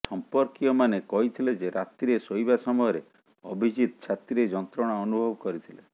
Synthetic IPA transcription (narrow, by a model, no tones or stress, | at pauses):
sɔmpɔɾkiɔmanekɔɦit̪ʰiled͡ʒeɾat̪iɾesojbasɔmɔjɔɾe | ɔbʱid͡ʒit̪ɔt͡ʃʰat̪iɾed͡ʒɔnt̪ɾɔɽ̃aɔnubʱɔbɔkɔɾit̪ʰile